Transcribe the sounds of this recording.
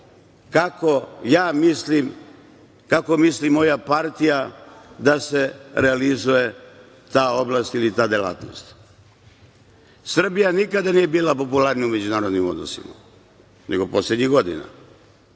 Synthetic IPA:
kakojaːmislim | kako̞mislimːo̞japaɾt̪ijad̪ase̞ɾealizuje̞ | t̪aːo̞blˠaːst̪ilit̪aːd̪ela̰ːt̪no̞̰st̪ | sr̩bijanikad̪anije̞biːlapo̞pulaɾnijumed͡ʑunaːɾod̪nimo̞̰d̪no̰sḭma̰ | nʔeɡo̞po̞slʲed̪ɲiɣɡo̞d̪ḭna̰

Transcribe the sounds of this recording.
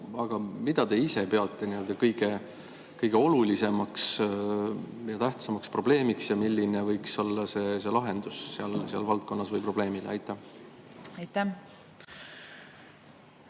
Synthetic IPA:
ɑɡ̥ɑmid̪ɑd̪e̞ise̞pe̞ɑt̪ːˑe̞niø̞ld̪̥ɑkɤjɡ̥e̞ | kɤjɡ̥e̞o̞lulise̞mɑks | jɑt̪æht̪sɑmɑkspro̞b̥le̞ːmiksjɑmilʲːinevɤjkso̞lːɑse̞se̞lɑɦe̞nd̪̥usseɑlseɑ̰lvɑlt̪̚ko̞nːɑsvɤjpro̞b̥le̞ːmileɑ̰jt̪ːˑæh | ɑjt̪ːæ

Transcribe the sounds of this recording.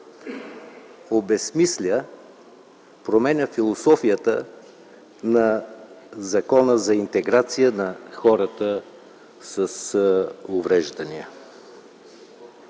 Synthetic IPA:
obɛsmislʲə | pɾomɛnʲəfilˠosɔfijət̪ə | nɐ | zɐkɔnəzɐint̪ɛɡɾat̪sijənɐxɔɾət̪ə | səs | ʊvɾɛʒd̪ɐniə̰

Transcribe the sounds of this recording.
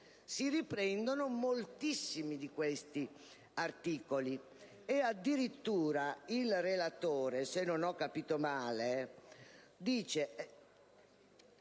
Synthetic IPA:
siripɾɛnd̪onomolt̪isːimid̪ikwest̪i | art̪iːkoli | ead̪ːiɾit̪ːuːɾailrelat̪oːɾesenːonɔkːapiːt̪omaːle | d̪iːt͡ʃe

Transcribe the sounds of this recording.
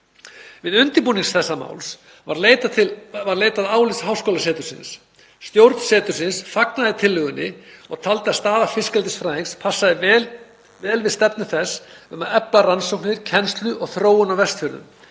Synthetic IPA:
vɪðʏnt̪ɪɾpuːniŋsθɛsːama̰ːwls | vaɾlet̪ʰɪvaɾleːjt̪aðaːwlɪsɦaːwskowlasɛːt̪ʏɾ̥sɪ̰nsː | t̪jowɾt̪n̥sɛːt̪ʏɾ̥sɪnsfaknaðɪt̪ʰɪlːʏɣʏnːɪɔɣt̪ʰalt̪ɪast̪aːðafɪskɛlt̪ɪsfɾaːɪŋspʰasːaðɪ | vɛːlvɪðst̪ɛpnʏθɛsʏmaðɛplaransowk̚nɪɾcʰɛnst̪lʏʔɔɣθɾoːwʏnawvɛst̪fœːɾʏ̰m

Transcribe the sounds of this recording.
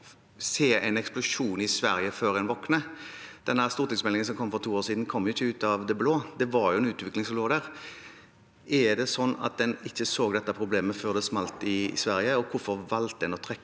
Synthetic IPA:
seːæɪnɛksplʊʂuːnɪsʋæɾɪəføːɾɛnʋɔknəd̪̥ɛnːəæɾst̪uːʁt̪ɪŋsmɛlɪŋənsɔmkʰɔmːfɔɾʁt̪ʰuːoːsiːd̪n̩kʰɔmːjʊɪçːəʉːt̪ɑʋd̪ɛbloːd̪ɛʋɑɾjʊɛnʉːt̪ʋɪklɪŋsɔmloːd̪æːʁ | ʔɛd̪ɛsɔnːɑ̰t̪̚d̪ɛnɪçːəsoːɡd̪ɛt̪ːəpʰɾʊbleːməføːʁd̪ɛsmɑlt̪ɪsʋæɾɪəɔkʰʊɾfɔʁʋɑlt̪̚d̪ɛnɔt̪ʰʁɛkː

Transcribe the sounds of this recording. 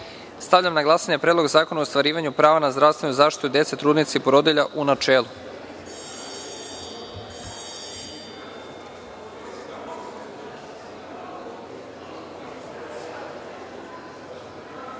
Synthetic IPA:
st̪aʋʎamnaɡlˠasaɲepɾed̪lo̞ɡzaːkonaost̪ʋaɾiːʋaɲupɾaːʋanazd̪ɾaʋst̪ʋe̞nuzaːʃt̪it̪ud̪e̞t̪set̪ɾuːd̪nit̪seipoɾod̪iʎaʔunat͡ʃeːlˠu

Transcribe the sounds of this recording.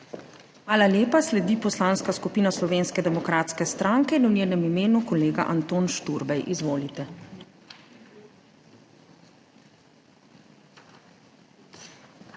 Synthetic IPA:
xʋaːlaljeːpaslɛd̪ipɔslaːnskaskupiːnaslɔʋeːnskɛd̪ɛmɔkɾaːt̪skɛst̪ɾaːŋkɛinwnʲjeːnɛmimeːnukɔleːɡa̰ʔant̪oːnʃt̪uɾbɛjʔizʋoːlit̪ɛ

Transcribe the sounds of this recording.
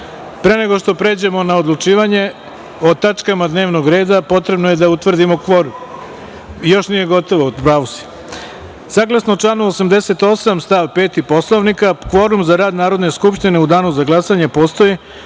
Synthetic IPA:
pɾe̞ne̞ɡo̞ʃt̪o̞pɾe̞ːd͡ʑe̞mo̞naod̪lˠut͡ʃiːʋaɲe̞ | o̞t̪at͡ʃkamad̪ne̞ːʋnoɡɾe̞ːd̪apo̞t̪ɾe̞bno̞je̞d̪aut̪ʋr̩d̪imo̞kʋo̞ɾum | jo̞ʃnije̞ɡo̞t̪o̞ʋopɾaʋusi̥ | saːɡlˠasnot͡ʃlaːnuosamd̪e̞se̞t̪o̞samst̪aːʋpe̞ːt̪ipo̞slˠoʋnikakʋo̞ɾumzaɾaːd̪naːɾo̞d̪ne̞skupʃt̪ine̞ud̪aːnuzaɡlˠasaɲepo̞ːst̪o̞ji

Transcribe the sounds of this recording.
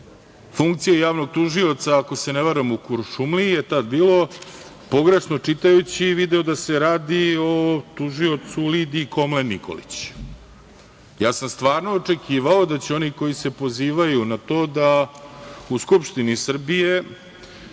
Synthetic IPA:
fuŋk̚t̪sijajaːʋno̞ɡ̚t̪uʒio̞t̪saːko̞se̞neʋaɾemukuɾʃumlijet̪ad̪̚biːlo̞ | po̞ɡɾe̞ʂnot͡ʂit̪ajut͡ɕiʋid̪eod̪ase̞ɾaːd̪iot̪uʒio̞t̪sulid̪iːko̞mlenːiko̞̰lḭt͡ɕ | jaːsamst̪ʋaːɾno̞ːt͡ʂekʰiːʋao̞d̪at͡ɕeo̞niko̞jise̞po̞ziːʋajunat̪o̞ːd̪a | uskupʂt̪inisr̩bije̞

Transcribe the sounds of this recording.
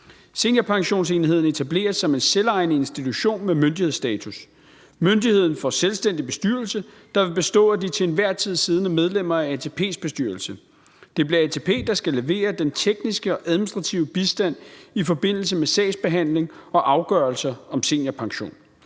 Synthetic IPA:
se̝̰ːnjæpʰɑ̈ŋɕo̝̰ːnse̝ːniɦe̝ð̰ˠn̩e̝t͡sʰæble̝̰ːɐsːɒ̽me̝nselɑ̈ɪnəe̝nsd̥it͡sʰuɕo̝̰ːnmemønd̥iheð̞̰ˠsd̥ɛːt͡sʰus | mønd̥ihe̝ð̞̰ˠn̩fɒ̽selsd̥en̰d̥ib̥e̝sd̥yɐlsə | d̥ɑ̈ʋe̝b̥e̝sd̥ɔ̰̽ːæd̥it͡sʰe̝ːnʋæɐ̰t͡sʰið̞̰ˠsiːð̞ˠnəmeð̞ˠlem̰ɐææt͡sʰe̝pʰe̝̰ːsb̥e̝sd̥yɐlsə | d̥e̝b̥liɐɛt͡sʰe̝pʰe̝̰ːd̥ɑ̈sɡ̥æle̝ʋe̝̰ːɐd̥ent͡sʰeɡ̥nisɡ̥əɒ̽ʔæðˠminisd̥ʁɑ̈t͡sʰiʊəb̥isd̥æn̰ifɒ̽b̥e̝n̰l̩səmesɛ̰ːɪsb̥e̝ɦæn̰le̝ŋɒ̽ʔɑ̈ʊɡ̥ɶɐlsɐɒ̽mse̝̰ːnjæpʰɑ̈ŋɕo̝̰ːn

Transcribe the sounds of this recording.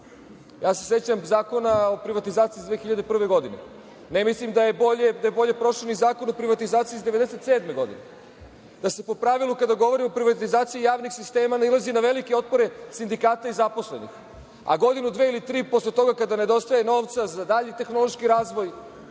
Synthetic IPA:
jaːsese̞t͡ɕamzaːko̞nao̞pɾiʋat̪izaːt̪siːzd̪ʋe̞ːxiʎad̪epr̩ʋe̞ɡo̞d̪ine̞̰ | nemislimd̪aje̞boʎed̪ajebo̞ʎe̞pɾo̞ʂlonizaːko̞nopɾiʋat̪izaːt̪siːzd̪eʋed̪eset̪seːd̪me̞ɡo̞d̪ḭne | d̪ase̞po̞pɾaʋilˠukad̪aɡo̞ʋo̞ɾimo̞pɾiʋat̪izaːt̪sijijaːʋnixsist̪eːmanilˠazinaʋe̞likeo̞t̪̚po̞ɾe̞sind̪ikaːt̪aizapo̞sle̞nḭx | a̰ɡo̞d̪inud̪ʋeilit̪ɾiːpo̞slˠet̪o̞ɡakad̪ane̞d̪o̞st̪ajeno̞ːʋt̪sazad̪aʎit̪e̞xno̞lˠoʃkiɾaːzʋo̞j

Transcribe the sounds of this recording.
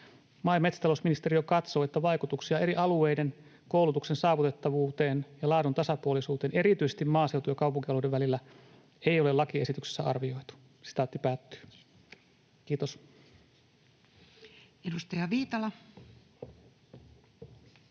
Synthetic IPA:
mɑimet̪st̪ɑlosminist̪erijokɑt̪so̞ːet̪ːæʋɑikut̪uksiɑe̞ɾiʔɑlueiden | koulut̪uksensɑːʋut̪et̪ːɑʋuːt̪eːnjɑlɑːdunt̪ɑsɑpuolisuːt̪eːne̞ɾit̪yisest̪immɑːseuwt̪ujɑkɑupuŋkiɑlodeʋʋælilːæ | eiolelɑkie̞sit̪ykse̥sːæ̰ɑ̰rʋio̞it̪u̥ | si̥t̪æˑot̪ːipæːt̪ːy̥ː | kiːt̪os | edust̪ɑjɑʋiːt̪ɑlɑ

